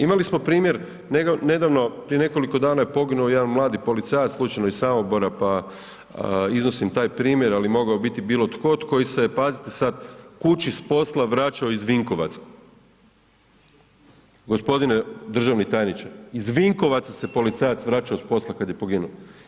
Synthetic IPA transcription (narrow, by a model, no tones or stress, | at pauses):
imalismo̞pɾiːmje̞ɾ | neɡne̞d̪aʋno̞pɾije̞ne̞ko̞liko̞d̪aːnajepo̞ɡinuojed̪anmlˠaːd̪ipo̞lit̪sajat̪lˠuːt͡ʃajnoisamoboɾapa | izno̞simt̪aːjpɾiːmjeɾalimo̞ɡaobit̪ibiːlˠo̞t̪ko̞t̪ko̞jisepazit̪esad̪kut͡ʃispo̞slˠaʋɾaːt͡ʃaoizʋiŋko̞ʋa̰t̪sḁ | ɡo̞spo̞d̪ined̪r̩ʒaʋnit̪ajnit͡ʃaizʋiŋko̞ʋat̪sase̞po̞lit̪sajat̪sʋɾaːt͡ʃaospo̞slˠakad̪je̞po̞ɡinuo